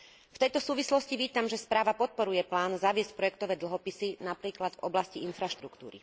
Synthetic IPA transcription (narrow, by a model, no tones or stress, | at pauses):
ft̪ɛjt̪ɔsuːʋislɔsciʋiːt̪amʒɛspɾaːʋapɔt̪̚pɔɾujɛplaːnzaʋɪɛsc̚pɾɔjɛkt̪ɔʋɛːd̪l̩ɦɔpisinapɾiːklad̪vɔblasciinfɾaʃt̪ɾukt̪ṵːɾḭ